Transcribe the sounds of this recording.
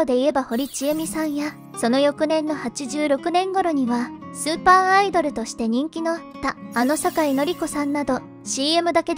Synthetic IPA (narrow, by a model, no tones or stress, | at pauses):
od̪e̞ie̞baho̞ɾʲit͡ɕiemʲisãja | so̞no̞jo̞kɯ̟nẽ̞nːo̞hat͡ɕiʑɨːɾo̞kɯ̟nẽ̞ŋɡo̞ɾo̞ɲ̟iβasɨːpaːid̪o̞ɾɯ̟t̪o̞ɕi̥t̪e̞ɲ̟ĩŋkʲino̞at̪ːaːno̞sakaino̞ɾʲiko̞sãnːad̪o̞ | ɕiːe̞mɯ̟d̪ake̞d̪